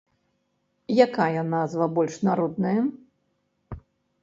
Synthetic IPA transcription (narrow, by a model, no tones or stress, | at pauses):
jakajɐnazvɐbɔlʲʂnaɾɔd̪nɐjɐ